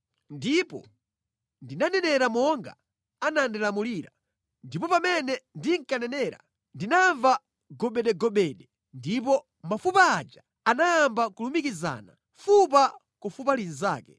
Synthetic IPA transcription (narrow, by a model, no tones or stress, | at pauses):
ndipɔ̰ | ndinanɛnɛɾamɔŋɡa̰ | anandɛlamuliːɾa | ndipɔpamɛnɛndiŋkanɛnɛːɾa̰ | ndinaɱva | ɡɔɓɛɗɛɡɔɓɛɗɛ | ndip̬ɔ | mafupaːd͡ʒa | anaːmbakulumikiza̰na | fup̬a | kɔfup̬alinza̰ːkɛ̥